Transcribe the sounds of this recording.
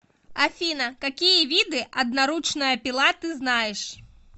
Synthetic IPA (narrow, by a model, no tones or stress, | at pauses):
afʲinɐkakʲijɐvʲid̪ɨʔɐd̪̚naɾut͡ʂnɐjɐpʲilˠat̪ɨznajɛʂ